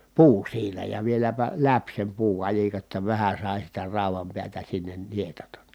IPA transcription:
puː siːnæ jɑ ʋielæpæ læp sem puːkɑlʲikɑ tːɑ ʋæhæ sɑˑi sitæ rɑˑu̞ʋɑm piætæ sinːen nietɑtɑn

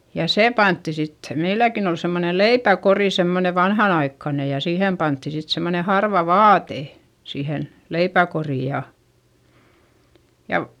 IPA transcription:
jɑ seˑ pɑntːi sitːe̥ meilːækin ol semːone leipækoriˑ semːone ʋɑnhɑnɑikːɑne jɑ siːheˑm pɑntːi sit semːone hɑrʋɑ ʋɑːte siːhen leipækoriˑ jɑ jɑ

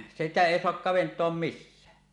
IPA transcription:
sitæ eˑi soɑk kɑʋentˑoɑm misːæː

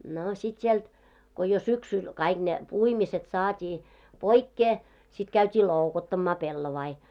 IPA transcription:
no sit sielt ko jo syksyl kɑiɡ̊ ne puimiset sɑːtʲiː poikːeː sit kæytʲiː loˑukotːɑmːɑː pelːoʋɑi

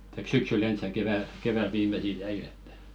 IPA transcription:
tɑik syksylː ens jɑ keʋæl ʋiːmesil jæil etːæ̥

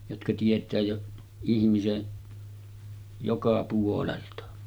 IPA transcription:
jotkɑ tietˑæː jo ihmisen jokɑ puoleltɑ

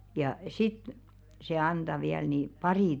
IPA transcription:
jɑ sit se ɑnd̥ɑ ʋiæl niˑ pɑriˑ

